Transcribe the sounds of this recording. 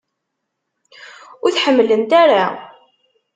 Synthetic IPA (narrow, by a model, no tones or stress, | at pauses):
ʊɾθħəmːlənt̪aɾa